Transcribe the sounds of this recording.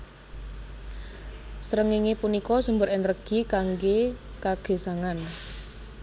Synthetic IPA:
sɾəŋiŋepunikɔsumbʊɾɪnrəɡ̥i̤kaŋɡekaɡ̥e̤saŋan

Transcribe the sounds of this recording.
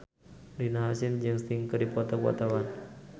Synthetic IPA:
linaɦasind͡ʒɨŋst̪iŋkədipɔt̪ɔkua̰t̪awan

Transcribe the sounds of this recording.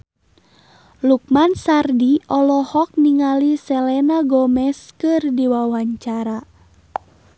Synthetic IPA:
luk̚mansardiɔlɔhɔk̚niŋalisɛlɛnaɡɔmɛskɨrdiwawaɲt͡ʃaɾa

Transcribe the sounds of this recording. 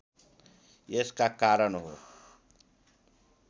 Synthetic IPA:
jeskakaɾʌnɦo

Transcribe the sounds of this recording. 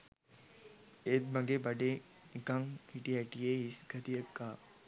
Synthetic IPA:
et̪̚mɐɡebɐɖe | ɡaŋhiʈiaʈijeːɦisɡ̥ɐt̪ijəkːaː

